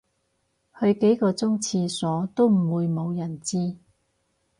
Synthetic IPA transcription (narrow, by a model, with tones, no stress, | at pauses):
hɵ˧ɥke˨˥jkɔː˧t͡sʊ˥ŋt͡sʰiː˧sɔː˨˥t̪o˥wm̩˨˩wuː˨˧jmo˨˧wjɐ˨˩nt͡siː˥